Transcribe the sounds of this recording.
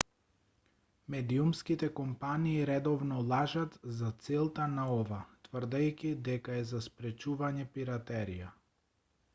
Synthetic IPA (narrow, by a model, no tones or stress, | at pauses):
mɛd̪iumskit̪ɛkɔmpaniːɾɛd̪ɔvnɔlˠaʒat̪zat̪sɛlˠt̪anaɔvat̪vr̩d̪ajkʲid̪ɛkaɛzaspɾɛt͡ʃuvaɲɛpiɾat̪ɛɾija